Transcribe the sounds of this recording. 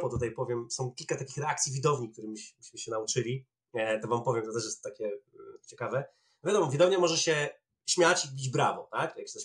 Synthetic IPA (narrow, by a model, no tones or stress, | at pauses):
pɔd̪ut̪̬ajpɔvʲjɛmsɔ̃w̃kʲilkat̪akʲixɾɛak̚t̪sʲivʲid̪ɔvɲik̚t̪uɾɘmʲiɕmʲɕmɘɕɛnaut͡ʂɘlʲi | t̪ɔvampɔvʲjɛmt̪ɔt̪ɛʂ̬jɛst̪ɔt̪akʲɛt͡ɕɛkavɛ | nɔvʲjad̪ɔmɔvʲid̪ɔvɲɛmɔʐɛɕɛ | ɕmʲjat͡ɕibʲid͡ʑbɾavɔ̰t̪akjak̪t̪ɛɕ